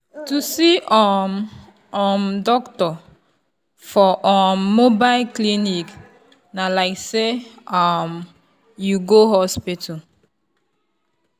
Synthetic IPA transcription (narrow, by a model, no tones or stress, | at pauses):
tusiʔɔm | ɔmdɔktɔ | fɔʔɔmːobaɪlklinik | nalaɪkseam | juɡoɦɔspitʰa